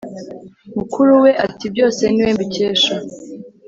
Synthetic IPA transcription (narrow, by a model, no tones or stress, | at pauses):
mukʰuɾuwe̞ʔatib̚ɟo̞ːse̞niweːmbice̞ːʃa